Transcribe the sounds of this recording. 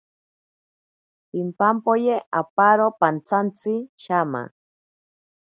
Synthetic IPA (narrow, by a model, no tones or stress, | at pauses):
impampojeʔapaɾopant͡sʰant͡siʃama̰